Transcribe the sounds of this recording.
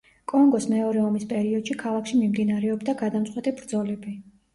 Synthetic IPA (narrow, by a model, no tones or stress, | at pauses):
kʼɔŋɡɔsmɛɔɾɛɔmispʼɛɾiɔd̪̥ʃikʰalˠakʰʃimimd̪inaɾɛɔbd̪aɡad̪amt̪sʼwɛt̪ʼibɾd̪zɔlɛbi